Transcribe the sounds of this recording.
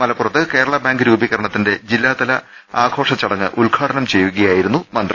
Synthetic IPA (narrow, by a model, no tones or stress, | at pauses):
mɐlɐpːurɐt̪ːɨke̞ːɾɐɭɐbaːŋɡɨɾuːbiɣɐɾɐɳɐt̪ːinde̞d͡ʑilːaːd̪ɐlɐaːɡʰo̞ːʂɐt͡ɕːɐɽɐŋːɨ̰ʔulɡʰʱaːʈɐnɐmt͡ɕe̞jːuɣɐjaːjiɾunːumɐnd̪ri